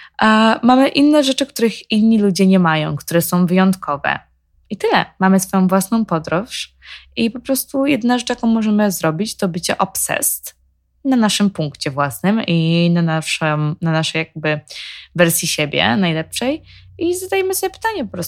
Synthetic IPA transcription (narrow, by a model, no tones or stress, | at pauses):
mamɘʔinːɛʐɛt͡ʂɘkt̪uɾɘxinːilud͡ʑɛɲɛmajɔ̃w̃kt̪uɾɛsɔ̃w̃vɘjɔnt̪kʰɔvɛ̰ | it̪ɘlɛ̰mamɘsfɔjɔ̃w̃vwasnɔ̃w̃pɔd̪ɾɔʂ | ipɔpɾɔst̪ujɛd̪naʐɛt͡ʂjakɔ̃w̃mɔʐɛmɘzɾɔbʲit͡ɕt̪ɔbɘt͡ɕɛʔɔpsɛ̰st̪ | nanaʂɘmpuŋkt͡ɕɛvwasnɘminanaʂɛmnanaʂɛjaɡ̚bɘvɛɾsʲjiɕebʲjɛ̰najlɛpʂɛjizad̪ajɛmɘsɔbʲjɛpɘ̥t̪aɲɛpɔpɾɔs